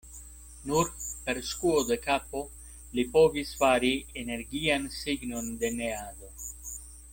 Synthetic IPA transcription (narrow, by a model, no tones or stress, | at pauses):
nuɾpe̞ɾskuod̪e̞kapo̞ | lipovisfaɾiene̞ɾɡiansiɡno̞nd̪ene̞ado̞